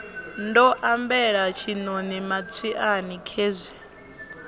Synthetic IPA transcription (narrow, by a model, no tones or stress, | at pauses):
ndɔʔambɛɺat͡ʃʰinonimat͡sʰiʔanikʰeːzʷɛ